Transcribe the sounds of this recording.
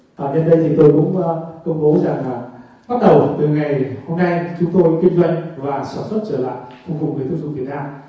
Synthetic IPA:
ʔaː˨˩ɗe˧nɗə˧jt̪ʰi˨˩t̪o˧jkʊ̰˧˥ŋ͡məː˧kə˧wŋ͡mɓo˨˦za˨˩ŋaː˨˩ | ɓa˦˥t̚ɗə˨˩wt̪ɨ˨˩ŋa˨˩jho˧mna˧jt͡ɕʊ˨˦ŋ͡mt̪o˧jki˧ŋzwɔ̰ə̰˧˨jŋvaː˨˩saː˧˩nswə˦˥t̚t͡ɕəː˧˩la̰ː˧˨jxʊ˧vʊ˨˩k͡p̚ŋɨ˨˩t̪ʰu˨˦zṵ˧˩vi˨˩t̚naː˧m

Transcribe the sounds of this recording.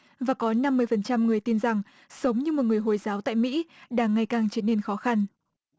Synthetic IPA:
vaː˨˩kɔ˨˦na˧mːɨ˧əjfə˨˩nt͡ɕa˧mŋɨ˨˩əjt̪i˧nza˨˩ŋ | sə˨˦wŋ͡mɲɨ˧mo˨˩ŋɨ˨˩əjɦo˨˩jzaː˨˦wt̪a̰ː˧˨jmḭ˧˥ɗaː˧˩ŋːa˨˩jkaː˨˩ŋt͡ɕi˨˦nːe˧nxɔ˨˦xa˧n

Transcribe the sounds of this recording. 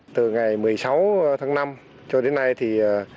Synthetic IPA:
t̪ɨ˨˩ŋa˨˩jmɨ˨˩əjsa˨˦wt̪ʰaː˨˦ŋna˧m | t͡ɕɔ˧ɗe˨˦nːa˧jt̪ʰi˨˩aː˨˩

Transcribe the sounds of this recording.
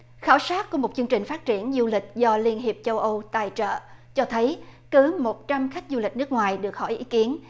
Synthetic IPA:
xaː˧˩wsaː˦˥t̚ku˧˥əmo˨˩t̚t͡ɕɨ˧ŋt͡ɕï˨˩ŋ̟faː˦˥t̚t͡ɕi˧˩ənzu˧lï˨˩k̟̚zɔ˧li˧ənɦi˨˩əp̚t͡ɕə˧wʔə˧wt̪a̰ː˨˩jt͡ɕə̰ː˧˨t͡ɕɔ˧t̪ʰə˨˦jkɨ˨˦mo˨˩t̚t͡ɕa˧mxa˦˥jk̟̚zu˧li˨˩k̚nɨ˦˥ək̚ŋwaː˨˩jɗɨ˨˩ək̚hɔ̰˧˩jʔḭ˨˦ki˨˦ən

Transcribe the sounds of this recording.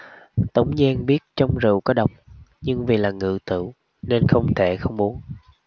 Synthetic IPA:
t̪ə˨˦wŋ͡mɲɛ˧nɓi˦˥ət̚t͡ɕɔ˧wŋ͡mzɨ̰˧˨kɔ˨˦ɗə˨˩wk͡p̚ɲɨ˧ŋvi˨˩laː˨˩ŋɨ̰˧˩t̪ɨ̰˧˨w | ne˧nxə˧wŋ͡mt̪ʰe˧˩xə˧wŋ͡mmu˨˦ən

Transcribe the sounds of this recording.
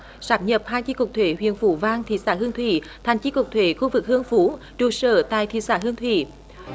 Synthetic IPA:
saː˨˥p̚ɲə˨˩p̚haː˧jt͡ɕi˧˥ku˨˩t̪ʰwe˧˩˦ɦwḭ˧˨ənfu˧˦vaː˧ŋt̪ʰḭ˧˨saː˧˩ɦɨ˧əŋt̪ʰwḭ˧˩˨ | t̪ʰɛ˨˩jŋ̟t͡ɕi˧˦˥ku˨˩k̚t̪ʰwe˧˦xu˧vɨ˨˩k̚hɨ˧əŋfu˨˦ | t͡ɕu˨˧˩sə̰ː˧˩t̪a̰ː˧˨jt̪ʰḭ˧˨saː˧˩ɦɨ˧əŋt̪ʰwḭ˧˩˨

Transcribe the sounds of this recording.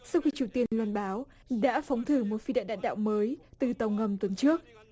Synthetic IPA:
sa˧wxi˧t͡ɕu˨˩wt̪i˧ənlwə˧nɓaː˨˦w | ɗa̰ː˧˥fa˨˦wŋ͡mt̪ʰɨ˧˩mo˨˩t̚fi˧ɗa̰ː˧˨nɗa̰ː˧˨nɗa̰ː˧˨wməː˨˦jt̪ɨ˨˩t̪ə˨˩wŋə˧mt̪wə˨˧˦nt͡ɕɨ˦˥ək̚

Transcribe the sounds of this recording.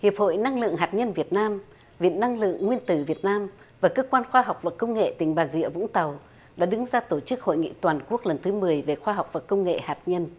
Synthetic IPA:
hi˨˩əp̚ho̰˧˨jna˧ŋlɨ̰˧˨əŋɦaː˨˩t̚ɲə˧nvi˨˩ət̚naː˧m | vḭ˧˨nːa˧ŋlɨ̰˧˨əŋːwi˧ənt̪ɨ˨˧˩vi˨˩ət̚naː˧m | vaː˨˩kəː˧kwaː˧nxwaː˧ɦwk͡p̚vaː˨˩kːə˧wŋ͡mŋḛ˧˨t̪ï˨˩ŋ̟ɓaː˨˩zḭ˧˨əvʊ̰˧˥ŋ͡mt̪ə˨˩w | ɗa̰ː˧˥ɗɨ˨˦ŋzaː˧t̪o˧˩t͡ɕɨ˦˥k̚ho̰˧˨jŋḭ˧˨t̪waː˨˩nku˦˥ək̚lə˨˩nt̪ʰɨ˨˦mɨ˨˩əjve˨˩xwaː˧ɦa˨˩wk͡p̚vaː˨˩kə˧wŋ͡mŋḛ˧˨haː˨˩t̚ɲə˧n

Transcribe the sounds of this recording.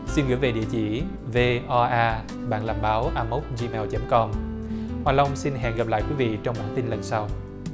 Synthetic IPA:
si˧nɣɨ̰˧˥jve˨˩ɗḭ˧˨ət͡ɕḭ˧˩ | ve˧ʔɔ˧ʔaː˧ | ɓa̰ː˧˨nlaː˨˩mɓaː˨˦wʔaː˧mo˦˥k͡p̚zi˧mɛː˧wt͡ɕə˨˦mkɔ˧mhwaː˨˩lə˧wŋ͡msi˧nɦɛ̰˧˨nɣə˨˩p̚la̰ː˧˨jkwi˨˦vḭ˧˨t͡ɕɔ˧wŋ͡mɓa̰ː˧˩nt̪i˧nlə˨˩nsa˧w

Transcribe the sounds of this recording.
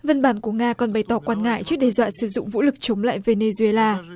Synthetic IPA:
və˧nɓaː˧˩nku˧˩əŋaː˧kɔ˨˩nɓə˨˦jt̪ɔ˨˦kwaː˧nŋa̰ː˧˨jt͡ɕɨ˦˥ək̚ɗɛ˧zwa̰ː˧˨nsɨ˧˩zʊ̰˧˨ŋ͡mvṵ˧˥lɨ˨˩k̚t͡ɕə˨˦ŋ͡mla̰ː˧˨jve˧ne˧zu˧e˧laː˧

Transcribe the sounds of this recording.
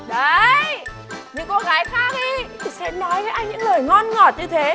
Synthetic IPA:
ɗə˨˧j | ɲɨ̰˧˥ŋko˧˥ɣaː˨˦jxaː˦˥k̚ɗi˧t̪ʰi˨˩sɛ̰˧˥nɔ˨˦jvəː˨˦jʔa˧jŋɲɨ̰˧˥ŋləː˨˩jŋɔ˧nŋɔ˨˩t̚ɲɨ˧t̪ʰe˨˦

